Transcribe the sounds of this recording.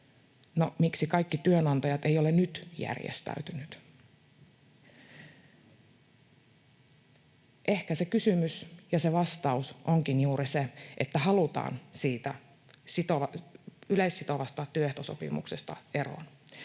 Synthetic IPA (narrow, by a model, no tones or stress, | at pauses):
no̰miksikɑjikːit̪yønɑnt̪ɑjɑt̪ejolenyt̪jæ̰rjḛst̪æ̰yt̪ynyt̪ | ʔehkæsekysymysjɑseʋɑst̪ɑusʔoŋkinjuːɾiseʔet̪ːæhɑlut̪ɑ̰ːnsiːt̪æ | sit̪oʋɑyleisːit̪o̞ʋɑst̪ɑt̪yøht̪oso̰pḭmṵksest̪ɑ̰e̞ro̰ːn